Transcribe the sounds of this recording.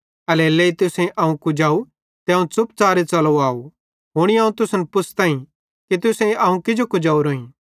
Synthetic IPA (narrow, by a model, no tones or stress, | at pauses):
ɐleleːit̪ʊsẽʔɐũkʊd͡ʒaːu | t̪eɐũt͡sʊp̚t͡saːɾet͡sɐloaːo | ɦʊɽ̃iaːũt̪ʊsnpʊt͡sʰt̪ãːĩ | kit̪ʊsẽʔɐũkɪd͡ʒokʊd͡ʒaːuɾoːĩː